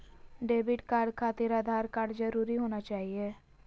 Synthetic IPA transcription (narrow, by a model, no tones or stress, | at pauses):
ɖeːbɪʈkaːɾɖkʰaːt̪ɪɾaːd̪ʱaːɾkaːɾɖd͡ʒəɾuːɾiɦoːnat͡ʃaːɦieː